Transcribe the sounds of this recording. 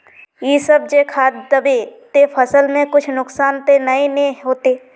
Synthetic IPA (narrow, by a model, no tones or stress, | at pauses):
jiːsəb̚d͡ʒekʰaːt̪d̪əbet̪epʰəsəlmẽkʊt͡ʃʰnʊksaːnt̪enəĩneɦoːt̪eː